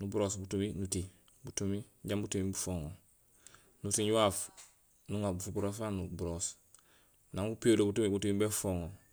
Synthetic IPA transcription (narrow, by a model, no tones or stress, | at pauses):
nubuɾosbutuminuti | butumiɟambutumibufoːŋo | nutiɲuwaːf | nuŋabufubuɾosanubuɾos | naŋɡupiolobutumibutumibefoːŋo